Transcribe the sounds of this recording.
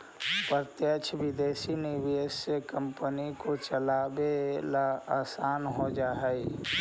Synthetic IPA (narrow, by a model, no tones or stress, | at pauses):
pət̪jət͡ʃʰʋɪd̪eːsiniwiesekə̃mpənikot͡ʃəlaːbelaaːsaːnɦod͡ʒaːɦɛi